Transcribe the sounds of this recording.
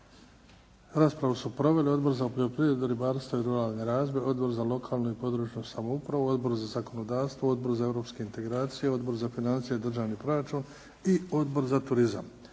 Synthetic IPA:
ɾaːspɾaʋusupɾo̞ʋe̞lio̞d̪bo̞ɾzapoʎopɾiːɾed̪uɾibaːɾst̪ʋoiɾuɾaːlˠne̞ɾaːzeo̞d̪bo̞ɾzalo̞kʰaːlˠnoipo̞d̪ɾut͡ʃɲosamoupɾaʋoo̞d̪bo̞ɾzazako̞nod̪aːɾst̪ʋoo̞d̪bo̞ɾzae̞vɾo̞pske̞int̪e̞ɡɾaːt̪sijeo̞d̪bo̞ɾzafinant̪sijed̪r̩ʒaːʋnipɾo̞ɾat͡ʃuːn | io̞d̪bo̞ɾzat̪uɾizam

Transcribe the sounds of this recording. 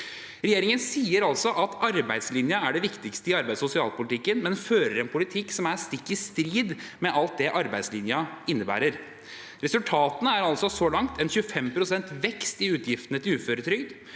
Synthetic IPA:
ɾɛjeːɾɪŋənsiːəɾɑlsɔʔɑt̪ɑɾbæɪd̪slɪnjəæɖɛʋɪkt̪ɪkst̪əɪɑɾbæɪd̪sʊsɪɑːlpʊlɪt̪ʰɪkːənmɛnføːɾəɾɛnpʰʊlɪt̪ʰɪkːsɔmæɾst̪ɪkːɪst̪ɾiːd̪mɛʔɑlt̪̚d̪ɛʔɑɾbæɪd̪slɪnjɑɪnːəbæ̰ːɾəɾ | ɾɛsʉlt̪ʰɑːt̪ənəæɾɑlsɔsɔlɑŋt̪ɛnçʉəfɛmpʰɾʊsɛnt̪ʋɛkst̪ɪʉːt̪ʰjɪft̪ənət̪ʰɪlʉːføːɾət̪ʰɾʏɡd̪

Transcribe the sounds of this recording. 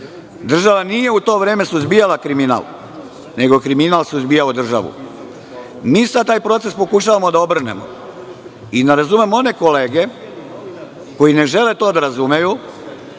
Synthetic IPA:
d̪r̩ʒaʋanije̞ut̪o̞ːʋɾeːme̞suzbijalakɾimina̰l | ne̞ɡo̞kɾiminalsuzbijaod̪r̩ʒa̰ʋṵ | miːsad̪̚t̪aːjpɾo̞t̪se̞spo̞kuʃaʋamo̞d̪aobr̩nḛmo̰ | id̪aɾazume̞mo̞ne̞ko̞leːɡe̞ | ko̞jine̞ʒe̞le̞t̪o̞ːd̪aɾazumeju

